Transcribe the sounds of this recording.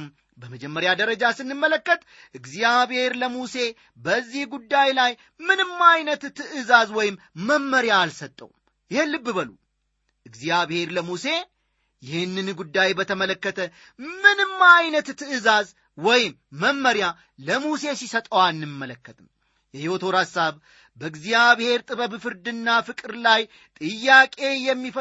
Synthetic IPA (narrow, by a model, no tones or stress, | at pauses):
m | bəməd͡ʒɛmːəɾjad̪əɾəd͡ʒasɨnːɨmːələkːət̪ʼ | ʔɨɡzijaβhe̞ɾləmuse̞ | bəzːihɡud̪ːajlaj | mɨnɨmːajnət̪t̪ːɨʔɨzazwɔjɪmːəmːəɾjaːlsət̪ʼːə̰w | jɪhelːɨbːɨbəlṵ | ʔɨɡzijaβhe̞ɾləmuse̞ | jɪhɨnːɨnɡud̪ːajbət̪ʰəmələkːət̪ʰə | mɨnɨmːajnət̪t̪ːɨɨzaz | wɔjɪmːəmːəɾja | ləmuse̞sisət̪ʼəwanːɨmːələkːət̪ʼɨm | jɛhiho̞t̪ʰo̞ɾhasaβ | bəɨɡzijaβhe̞ɾt̪ʼɨβəβfɨɾd̪ɨnːafɨkʼɨɾlaj | t̪ʼɨjːakʼe̞jɛmːifə